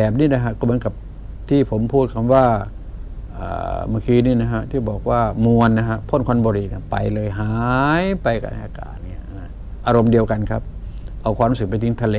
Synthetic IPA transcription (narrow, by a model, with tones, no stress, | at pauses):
bɛː˨˩p̚niː˥˨na˧ɦa˧kɔː˧˩mɯ˨˦˥nka˧˦p̚ | t̪ʰiː˧˩pʰo˨˦mpʰuː˥˩t̪̚kʰa˧mwaː˧˥˩ | ʔa̰ː˨˩ma˧˩˨kʰiː˧niː˧˩na˧ka˧˥ʔt̪ʰiː˧˩bɔː˨˩k̚waː˧˩mu˧ənːa˦˧ɦa˧˥ʔpʰo˥˨nkʰwa˧˥nbɔː˧ɾiː˧˩na˧˩pa˨˧jlɤː˧jɦaː˨˦jpa˧jka̰˧˩na˥˩jʔaː˧ka̰ː˨˩t̪̚ni˧˩˨na˧˩ | ʔaː˧ɾo˧mdi˧əwka˨nkʰa˦˥p̚ʔa˧wkʰwlsɯ˨˩pa˧jt̪i˧˦ŋt̪ʰa˧leː˧